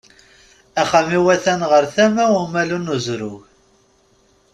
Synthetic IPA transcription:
æχæmiwæθænʁəɾθæmæwəmælunuzɾʊʝ

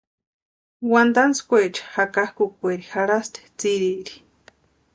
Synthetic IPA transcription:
wand̪anskʷet͡ʃḁhakahkukʷeɾixaɾast̪e̥t͡siɾiɾi̥

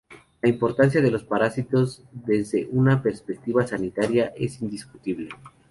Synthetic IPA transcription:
laimpo̞ɾt̪ans̬jaðe̞lo̞spaɾasit̪o̞z | ðe̞zðe̞ʔunape̞ɾspek̚t̪iβasanit̪aɾjaʔe̞sind̪iskut̪iβle̞

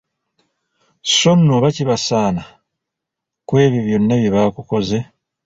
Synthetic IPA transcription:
so̞nːoβaciβasaːna | kwe̞ːβjiβjo̞nːaβjiβakuko̞ze̞

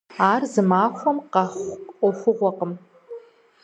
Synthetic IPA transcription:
aːrzɨmaːχʷɔmqɑχʷɔχʷʊʁʷɔqəm

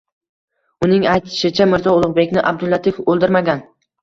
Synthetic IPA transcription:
ʊnɪŋajt̪ʰɪ̥ʃɪt͡ʃʰamɪɾzɒʊlˠʊʁbe̞kʲnɪʔab̚d̪ʊlːat̪ʰɪfolˠd̪ɪɾmaɡʲan

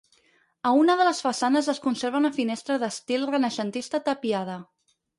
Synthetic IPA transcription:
əunəðələsfəsanəzəskunseɾβənəfinɛst̪ɾəðəst̪ilˠrənəʃənt̪ist̪ət̪əpiað̞ə

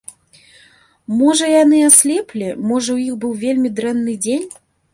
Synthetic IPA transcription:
mɔʐɐjan̪ɨasʲlʲɛplʲimɔʐɐwjixbɨwvʲelʲmʲid̪ɾɛnːɨd͡zʲenʲ

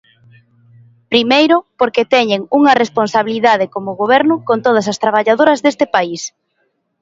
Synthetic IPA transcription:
pɾimejɾʊpoɾket̪ɛɲeŋuŋɐresponsaβiliðað̞ɪkomʊɣoβ̞ɛɾnʊkont̪oð̞ɐs̬ɐst̪ɾaβ̞aʎað̞oɾɐzðest̪ɪpais

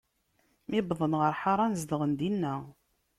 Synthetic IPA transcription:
mibðˤənʁəɾˤħaɾˤɑnzd̪əʁənd̪inːæ

